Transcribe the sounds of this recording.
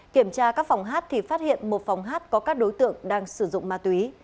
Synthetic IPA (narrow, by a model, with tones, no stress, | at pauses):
ki˧˩əmt͡ɕaː˧kaː˦˥k̚fa˨˩wŋ͡mɦaː˦˥t̚t̪ʰi˨˩faː˦˥t̚hḭ˧˨ənmo˨˩t̚fa˨˩wŋ͡mɦaː˦˥t̚kɔ˨˦kaː˦˥k̚ɗo˨˦jt̪ɨ̰˧˨əŋɗaː˧ŋsɨ˧˩zʊ̰˧˨ŋ͡mmaː˧˩t̪wi˨˦